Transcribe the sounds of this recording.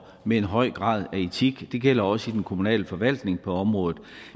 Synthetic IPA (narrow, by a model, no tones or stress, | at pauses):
meenɦɒ̽ɪ̰ɡ̥ʁɑ̰̈ːðˠæe̝t͡sʰiɡ̥d̥e̝ɡ̥el̰ɐɒ̽səid̥enkʰo̝munɛ̰ːləfɒ̽ʋæl̰d̥ne̝ŋpʰɒ̽ɒ̽mʁɔ̽ːðˠð̩ˠ